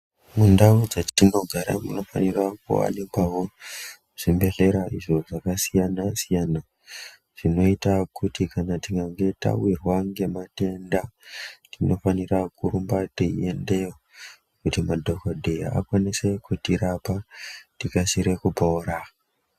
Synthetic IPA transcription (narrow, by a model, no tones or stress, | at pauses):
mundaud͡zattino̞ɡʱaɾa̰muno̞fa̰nirakṵa̰nipaɦo | ʐ̥imbe̞ɮe̞ɾaiʐo̞ʐakasijanasijana | ʐ̥ino̞itakutikanatiŋɡaŋɡe̞ta̰wirwaŋɡe̞mate̞ndatʰino̞fanirakuɾumbatiḭende̞jo | kutimadʱo̞kodʱea̰a̰kwanise̞kutiɾapatikasiɾe̞kupoːɾa